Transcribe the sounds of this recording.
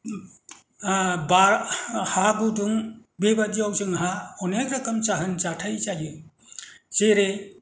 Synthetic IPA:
baɾhaɡuduŋbebadiawzɯŋɦaɔnekɾɐkʌmt͡ʃaɦɯnt͡ʃatʰajzajɯ | seɾe

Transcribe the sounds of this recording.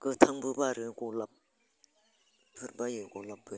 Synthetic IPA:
kət̪ʰaŋpupaɾekolap̚ | pʰərpajəkolap̚pə

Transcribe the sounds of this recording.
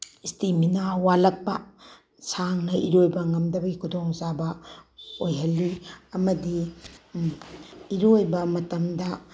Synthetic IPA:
istiminawalɐk̚pɐ | saŋnɐʔiɾojbɐŋɐmdɐbɐɡikʰudoŋzabɐ | ojɦɐlːiɐmɐdi | ɾojbɐmɐtɐmdɐ

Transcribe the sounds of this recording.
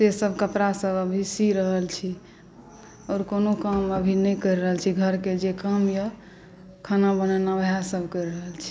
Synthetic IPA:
sesəbʱkəpɾasəbəbʱisiɾəɦəlt͡ʃʰi | ɔːɾkonokəməbʱinəjkəɪɾɾəɦəlt͡ʃʰiɡʱəɾked͡ʒekəmjə | kʰanabənənabjasəbʱkəɾɾəɦəlt͡ʃʰi̥

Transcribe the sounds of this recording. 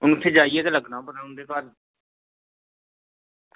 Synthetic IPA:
ʊnːt̪ʰːeːd͡ʒaːiːɛːt̪eːləɡnaːpəɾaːʊnd̪eːkaːl

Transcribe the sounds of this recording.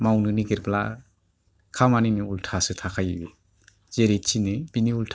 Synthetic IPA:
mawnɯniɡeɾbla̰ | kʰamaninɯultʰasɯtʰakʰajibe | z̥eɾit͡ʃʰinɯbiniultʰ

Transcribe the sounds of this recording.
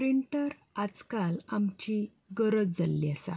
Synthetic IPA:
pɾiɳʈəɾ | ad͡zkalamt͡ɕi | ɡəɾət͡sd͡zalːiasa̰

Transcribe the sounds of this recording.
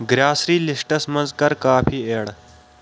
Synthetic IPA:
ɡɾaːsɾiːlɪsʈəsmɐ̃nzkɐɾkaːpʰiːeːɽ

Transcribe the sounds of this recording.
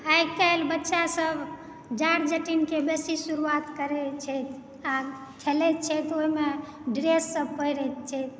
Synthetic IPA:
ajkalbətːʃasəbʱ | d͡ʒaɽd͡ʒəʈinkebesisuɾuat̪kəɾɛt͡ʃʰɛt̪ʰ | a | kʰelɛt̪̚t͡ʃʰɛt̪oɦime | ɖɾesːəb̚pəiɾɛt̪̚t͡ʃʰɛt̪̚ʰ

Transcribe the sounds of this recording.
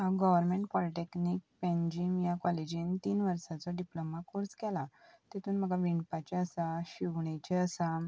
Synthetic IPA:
amɡəʋəɾmẽɳʈpɔliʈeknik̚pẽɲd͡ʑimjakɔled͡ʑiːnt̪iːnʋəɾsat͡sɔɖiplomakoɾskɛlat̪et̪ʰuːnm̤əɡaʋiɳpat͡ɕɛəsaɕiʋɳat͡ɕɛəsa

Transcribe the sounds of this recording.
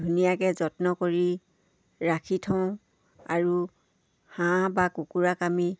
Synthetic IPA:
unijakɛzɔtnɔkoɹi | ɹakʰitʰɔ̃ʊ̃ | aɹu | hãbakukuɹakami

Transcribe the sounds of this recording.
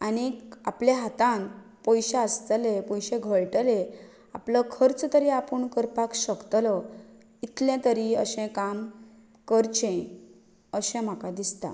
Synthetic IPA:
aniapljãɦat̪ãn | pɔjɕẽəst̪əlepɔjɕẽɡʱəɭʈəle | a̰pləkʰəɾt͡st̪əɾiapəɳkəɾpakɕəkt̪lə | it̪ljãt̪əɾiə̰ɕɛ̃kam | kəɾt͡ɕẽ | əɕɛ̃m̤akad̪ist̪a̰

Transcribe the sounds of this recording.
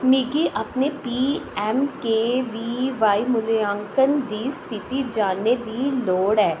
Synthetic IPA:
miɡiʔɐpnepiːɛːmkeʋiːʋaːimʊljãːŋkənd̪iːst̪ʰɪt̪id͡ʒaːned̪iːloːɽɛː

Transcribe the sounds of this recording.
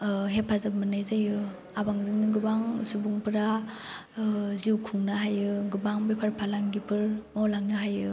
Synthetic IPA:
ɦeppʰazabmɯnajzajɯ | abaŋzɯŋnɯɡɯbaŋsubuŋpʰɯɾa | ziwkʰuŋnaɦajɯɡɯbaŋbajpʰaɾpʰalaŋɡipʰɯɾmawlaŋnɯɦajɯ

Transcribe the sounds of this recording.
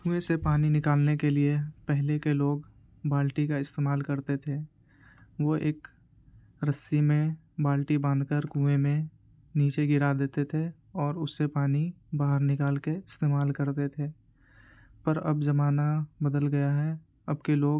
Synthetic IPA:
kũːesepaːninɪkaːlnekeliepɛɦlekeloːɡ | baːlʈikaɪst̪eːmaːlkɐɾt̪et̪ʰe | ʋoʔeːk | ɾɐsːimẽ | baːlʈibə̃nd̪ʱkəɾkũːʋemẽ | niːt͡ʃeɡɪɾad̪eːt̪et̪ʰe | ɔːɾʊsːepaːni | baːɦəɾnɪkaːlkeɪst̪eːmaːlkɐɾt̪et̪ʰeː | pɐɾɐ̰bzɐmaːnabɐd̪əlɡɐjaɦɛ | ɐbkeloːɡ

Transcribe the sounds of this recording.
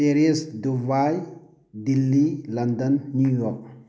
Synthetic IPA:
eɾiɛsdubaj | d̪ilːiland̪ənːujɔk̚

